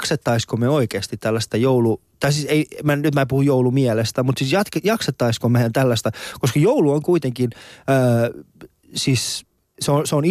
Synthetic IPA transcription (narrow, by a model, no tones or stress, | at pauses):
kset̪ːɑiskomeoikeːst̪it̪tælːæst̪æjoulut̪ɑisiseimænnyt̪mæːpuhujoulumiɛlest̪æmut̪sisjɑt̪kejɑkset̪ːɑiskomæænt̪ælːæst̪ækoskɑjouluoŋkuit̪eŋkinøː | siːs | seonseon